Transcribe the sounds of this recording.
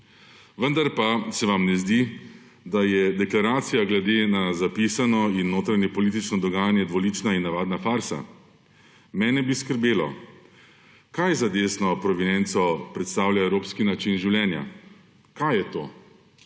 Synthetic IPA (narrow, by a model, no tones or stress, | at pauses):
ʋənd̪aɾpasɛʋamnɛzd̪i | d̪ajɛd̪ɛklaɾaːt̪sijaɡlɛd̪enazapisanɔinːoːt̪ɾanɛpɔlit̪̬it͡ʃnɔd̪ɔɡaːjanjɛd̪ʋɔliːt͡ʃnainːaʋaːd̪nafaɾsa̰ | mɛːnɛbiskəɾbeːlɔ̰ | kajzad̪eːsnɔpɾɔʋinɛnt̪sɔpɾɛt̪st̪aːwlʲjaɛwɾoːpskinat͡ʃinʒiwlʲjɛːnja̰ | kajɛt̪o̰ː